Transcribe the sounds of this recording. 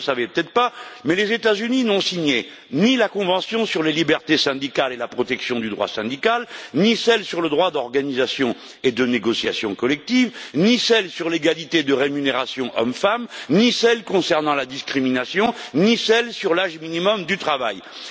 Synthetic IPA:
savɛpət̪ɛt̪χpamɛlezet̪azyninɔ̃siɲe | nilakɔ̃vɑ̃sjɔ̃syʁlelibɛʁt̪esɛ̃d̪ikalelapχɔt̪ɛksjɔ̃d̪yd̪ʁwa̰sɛ̃d̪ikalnisɛlsyʁləd̪ʁwad̪ɔʁɡanizasjɔ̃ | ed̪əneɡɔsja̰sjɔ̃kɔlɛk̚t̪ivnisɛlsyʁleɡalit̪ed̪əʁemyneʁasjɔ̃ʔɔ̰mfamnisɛlkɔ̃sɛʁnɑ̃lad̪iskχiminasjɔ̃nisɛlsyʁlaʒminimɔmd̪yt̪χavaj

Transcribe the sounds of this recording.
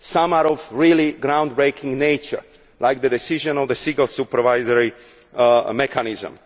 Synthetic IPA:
sãmaɾɔvɹiliɡɾãwnd̪̚bɹeɪkʰĩŋɡneɪt͡ʃə̰ɹ | lʔajk̚d̪ədɛsiʒə̃nɔvd̪əsĩɡəlsupəɹvajzəɹi | mɛkʰanizə̰̃m

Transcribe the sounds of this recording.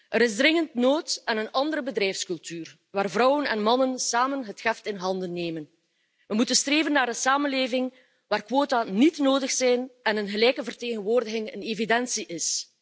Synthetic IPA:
ʔəɾɪzdrɪŋəntnoːtɛnənɑndəɾəbədrɛjfskɵlˠtyːr | ʋaːrvrɔwənɛnmɑnənsaːmənɦətxɛftɪnɦɑndənːeːmən | ʋəmutənstreːvənːaːɾdəsaːmənleːvɪŋ | ʋaːrkʋoːtanitnoːdəxsɛjnɛnənɣəlɛjkəvərteːɣənʋoːrdəɣɪŋə̰neːvidɛnsiʔɪs

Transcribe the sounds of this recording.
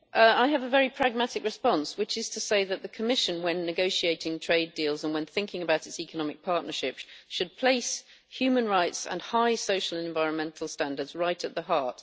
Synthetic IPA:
ʔʌaɪɨvəvɛɹipʰɹ̥æɡ̚matɨkɹɨspɑ̃nswɨt͡ʃɪz̥tʰəseɪðəʔ̪̚ðəkʰəmɪʃɨ̃nwə̃nːɨɡoʊʃieɪtɪ̃ŋtʰɹ̥eɪdilˠzə̃nwə̃nθɪ̃ŋkɪ̃ŋəbaʊɾɨtsikənɒmɪk̚pʰɑɹʔⁿnə˞ʃɪpʃɨd̚pʰl̥eɪs | hjʉmə̃nɹaɪtsə̰̃nhaɪsoʊʃəl̩ˠə̃ɱvaɪɹə̃nmɛ̃ntʰˡl̩ˠstæ̃ndə˞dzɹaɪtɨt̪̚ðəɦɑɹt

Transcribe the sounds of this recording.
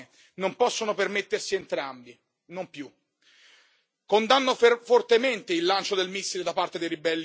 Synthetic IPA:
nompɔsːonopermet̪ːersient̪ɾambi | nompju | kond̪anːoffort̪ement̪eilːant͡ʃod̪elmisːiɾed̪apːart̪ed̪ejɾibɛlːi

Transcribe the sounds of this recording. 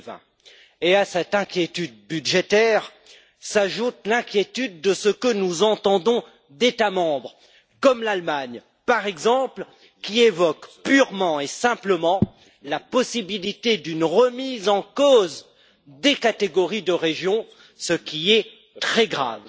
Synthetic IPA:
vɛ̰̃ | easɛt̪ɛ̃kʲjet̪yd̪̚byʒet̪ɛʁ | saʒut̪lɛ̃kʲjet̪yd̪ːəsəkənuzɑ̃t̪ɑ̃d̪ɔ̃ | d̪et̪amɑ̃bʁ | kɔmlalmaɲ | paʁɛɡzɑ̃pl | kʲievɔkpyʁmɑ̃esɛ̃pləmɑ̃ | lapɔsibilit̪ed̪ynʁəmizɑ̃koz | d̪ekat̪eɡɔʁid̪əʁeʒjɔ̃ | səkʲiɛ | t̪χɛɡʁa̰v

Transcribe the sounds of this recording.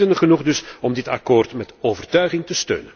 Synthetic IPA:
dənəχənuχdɵsɔmdɪta̰koːrtmɛtoːvərtœɥɣɪŋtəstø̰ːnən

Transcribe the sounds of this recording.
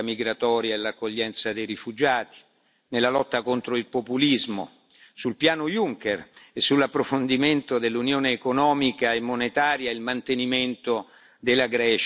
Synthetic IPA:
amiɡɾat̪ɔːɾjaelakːoʎːɛnt̪sad̪ejɾifud͡ʒaːt̪i̥ | nelːalɔt̪ːakont̪ɾoilpopulizmo̰ | sulpjaːnojuŋkeresːulːapːɾofond̪iment̪od̪elːunjoːneːkonɔːmikaemːonet̪aːɾjailmant̪eniment̪o | d̪elːaɡɾɛːt͡ʃ

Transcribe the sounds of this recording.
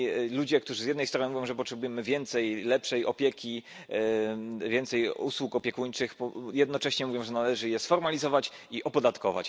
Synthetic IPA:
lud͡ʑɛk̚t̪uʐɘzjɛd̪nɛjst̪ɾɔnɘmuvʲjɔ̃w̃ʐɛp̬ɔtʂɛbujɛmɘvʲjɛnt̪sɛjlɛpʂɛjʔɔpʲjɛkʲi | vʲjɛnt̪sɛjuswukɔpʲjɛkuɲt͡ʂɘxpjɛd̪nɔt͡ʂɛɕɲɛmuvʲjɔ̃w̃ʐɛnalɛʐɘjɛsfɔɾmalʲizɔvat͡ɕ | iʔɔpɔd̪at̪kɔva̰t͡ɕ

